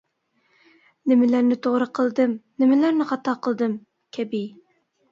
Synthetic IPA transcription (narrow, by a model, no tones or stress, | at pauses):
nɪmɪlæɾnɪt̪ʰoʁɾəqʰəlˠd̪ɨmnɪmɪlæɾnɪχɑt̪ʰɑqʰəlˠd̪ɨm | kʲʰɛbi